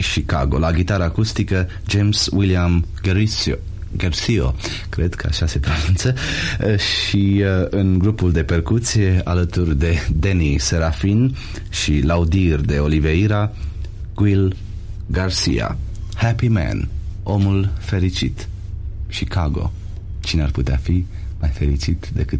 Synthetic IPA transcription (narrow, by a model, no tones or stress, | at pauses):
ʃika̰ɡo̞̰laɡʲit̪aɾəːkust̪ikə | d͡ʒemswiliam | ɡersio̰ | kɾe̞d̪kʰəa̰ʃase̞pɾonunt̪sə | ʃiɨnɡɾupuld̪e̞pe̞rkut̪sʲijealət̪urʲd̪e̞d̪enise̞ɾafin | ʃilaud̪irʲd̪e̞o̞live̞iɾa | ɡ̥uil | ɡarsḭa̰hapimɛ̰no̞mulfe̞ɾit͡ʃit̪ | ʃikaɡo̞̰ | t͡ʃinearput̪eafi | majfe̞ɾit͡ʃit̪d̪e̞kɨt̪